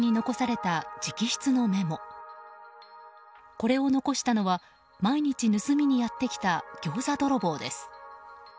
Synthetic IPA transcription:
ɲ̟ino̞ko̞saɾe̞t̪ad͡ʑikʲiɕi̥t͡sɨno̞me̞mo̞ | ko̞ɾe̞o̞no̞ko̞ɕi̥t̪ano̞βa | maiɲ̟it͡ɕinɯsɨmʲiɲ̟ijat̪ːe̞kʲi̥t̪aɡ̥ʲo̞ːzad̪o̞ɾo̞bo̞ːd̪e̞sɨ̥

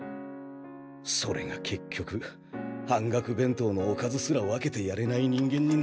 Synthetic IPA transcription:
so̞ɾe̞̰ɡakʰe̞kʲːo̞kɯ̟ | hãŋɡakɯ̟bẽ̞nt̪o̞ːno̞ːkazɨsɨɾaoβake̞t̪e̞jaɾe̞naiɲ̟ĩŋɡẽ̞ɲ̟ːin

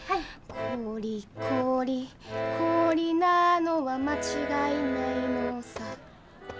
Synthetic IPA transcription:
kʰoɾʲikʰoɾʲikʰoɾʲinano̞βamat͡ɕiɡainainosa

